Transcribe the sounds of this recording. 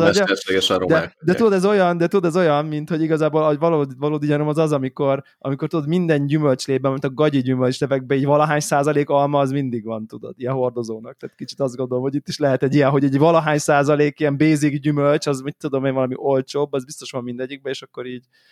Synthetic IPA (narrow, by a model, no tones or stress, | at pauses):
ɛʃeɡɛʃɛ̰ɾo̰md̪ɛd̪ɛt̪ud̪ɛzo̞jɒnd̪ɛt̪ud̪ɛzo̞jɒnmint̪ho̞ɟiɡɒzaːboːlɒvɒloːd̪vɒloːd̪iɟɒɾomɒzɒzɒmiko̞r | ʔɒ̰mikort̪ud̪ot̪mind̪ɛɲɟymølt͡ʃleːbɛmɛnt̪ɒɡɒɟiɟymølt͡ʃlɛvɛɡ̚bɛiːɟvɒlɒɦaːɲsaːzɒleːkɒlmɒːzmind̪iɡʋɒnt̪ud̪o̞̰d̪ijɛɦo̞rd̪o̞zoːnɒkt̪aːt̪kit͡ʃi̥t̪ɒzd̪ɡo̞nd̪olomho̞ɟit̪ːiʃlɛɦɛt̪ɛɟijɛɦo̞ɟɛɟvɒlɒɦaːɲsaːzɒleːkijɛmbeːziɡɟymølt͡ʃɒzmit̪ʲːud̪o̞meːnvɒlɒmiʔo̞lt͡ʃoːbːɒzbist̪o̞ʃʋɒmːind̪ɛɟːiɡ̚bɛeːʃɒkːo̞ɾiːɟ